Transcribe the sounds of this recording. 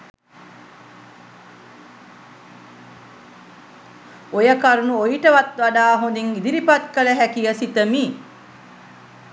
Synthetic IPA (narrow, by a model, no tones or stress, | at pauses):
ojəkaɾunuojiʈəʋat̪ʋaɖaːɦond̪iŋid̪iɾipat̪kələɦækijəsit̪əmiː